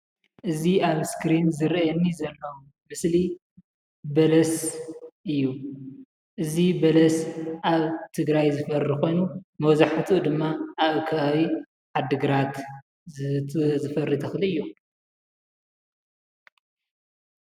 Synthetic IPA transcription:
ʔɨziaβskɾinzɨɾɛnːizɐlːɐwu | mɨsli | bɐlɐsʔɨjːu | ʔɨzibɐlɐsʔaβt̪ʰɨɡɾajzɨfɐɾiko̞jnumɐwzaħat̪ʰud̪ɨmːaʔːβɨkʰaawi | ʕad̪ɨɡɨɾat̪ | zɨfɐrːit̪ʰɐxlɨɨjːu

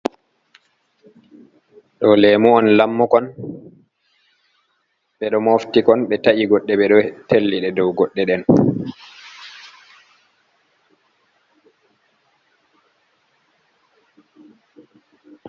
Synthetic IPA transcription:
ɗɔlemuɔnlamːukɔn | ɓɛɗɔmoftikɔnɓɛtaʔiɡɔɗːɛɓɛɗɔtelːiɗɛdɔwɡɔɗːɛɗɛn

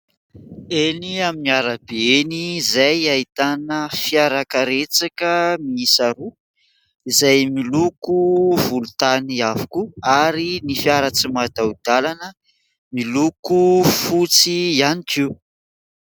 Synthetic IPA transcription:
eniaminiaɾabeenizajait̪anəfiaɾakəɾet͡sakəmiisaɾu | izajmilukuvulut̪aniavukuaɾinifiaɾət͡simad̪aud̪̥alanə | milukufut͡sianiʈ͡ʂiw

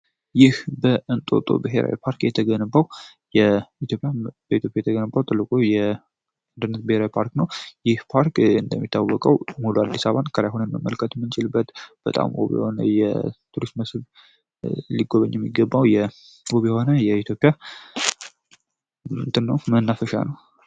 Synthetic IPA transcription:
jɪhbəʔɨnt̪ʼo̞̰t̪ʼo̰bɨɦeɾʔa̰wḭpʰaɾkjɛt̪ʰəɡənbaw | jɛit̪ʰjopʼjab̥əit̪ʰjo̞pʼjajɛt̪ʰəɡənbːawt̪ʼɨlːɨkʼojɛ | nd̪ɨnːət̪̚bɨheɾawipʰaɾknəwjɪhpʰaɾkɨnd̪əmːit̪ʰːawːɔkʼəwmuluad̪ːisaβankʰəɾajɦonənməmːəlkʰət̪mːɨnt͡ʃɪlɨbːət̪b̥ət̪ʼa̰mʔo̰βḭhonə̰jɛ̰t̪ʰuɾist̪məsɨβ | liɡoβəɲːɛmːiɡəbːawjɛ | woβijɛho̞nəjɛit̪ʰjo̞pʼija | mɨnd̪ɨnːəwmənːafəʃa̰nəw

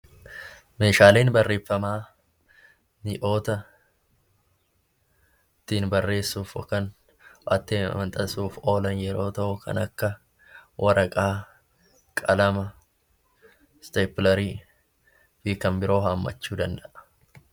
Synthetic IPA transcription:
me̞ːʃaːleːnbɐrːe̞ːfːɐmaː | nɪʔo̞ːt̪ɐ | t̪ːiːnbɐrːe̞ːsːuːfɔ̰kːɐn | ʔɐ̰t̪ːeːɐ̰mɐnt̪ʼɐsuːfo̞ːlɐnjɛɾo̞ːt̪ɐʔʊkɐ̰nɐkːɐ | wʔɐɾɐkʼaː | kʼɐlɐmɐ | st̪epɪlɐɾiː | fiːkːɐmbɪɾo̞ːɦɐmːɐ̰t͡ʃːuːd̪ɐnd̪ɐʔɐ̥

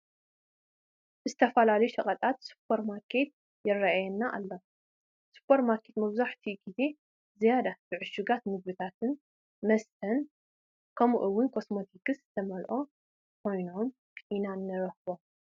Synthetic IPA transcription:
ɨzɨt̪ʰɐfɐlalɐjuʃɐχʼɐt̪ʼat̪su̥pʰːɐɾmaɾkʰe̞t̪̚ | jɛrːaʔajɛnːaʔa̰lːo | su̥pʰːɐɾmaɾkʰe̞t̪mɐβzaħt̪ʰiɡize̞ | zijad̪ab̥ɨʕɨʃuɡat̪nɨɡ̚βɨt̪ʰat̪ɨn | mɐst̪ʰɐn | kʰɐmuʔɨwʊnkʰo̞smo̞t̪ʰikɨsɨt̪ʰɐmɐlʔo̞ | kʰo̞jnom | kʰʔinanːɐɾɐhβo̞

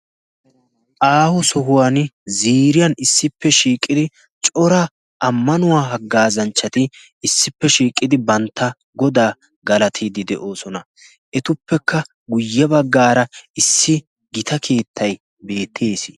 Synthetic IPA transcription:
ʔaːhʊsɔɦʊwanziːɾɪjɐnɪsːɪpːɛʃiːkʼːɪd̪ɪ | t͡ʃʼɔɾɐ | ʔɐmːɐnʊwaːɦɐɡːaːzɐnt͡ʃːɐt̪ɪ | ɪsːɪpːɛʃiːkʼːɪd̪ɪbɐnt̪ːɐ | ɡɔd̪aː | ɡɐlɐt̪ʰid̪ɪd̪ɛʔo̞ːsɔnɐ | ʔɛt̪ʊpːɛkːɐ | ɡʊjːɐbɐɡːaːɾɐɪsːɪ | ɡɪt̪ɐkʰe̞ːt̪ʰːɐj | be̞ːt̪ʰːeːsɪ̥

